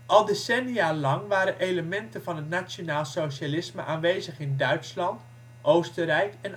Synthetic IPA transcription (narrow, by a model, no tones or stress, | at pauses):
ʔɑlˠdesɛnialɑŋʋaːɾənʔejləmɛntəvɑnɦətnasjonaːlˠsowʃalɪsmə̰ʔaːnʋejzəχɪndœɥtslɑnt | ʔowstərɛjkɛn